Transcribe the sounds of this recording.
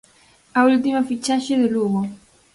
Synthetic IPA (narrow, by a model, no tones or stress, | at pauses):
ault̪imafit͡ʃaʃɪðʊluɣo